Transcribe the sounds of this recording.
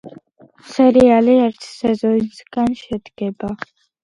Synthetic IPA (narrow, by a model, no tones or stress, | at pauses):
sɛɾialiɛɾt̪ʰsɛzɔnsɡanʃɛd̪ɡ̥ɛba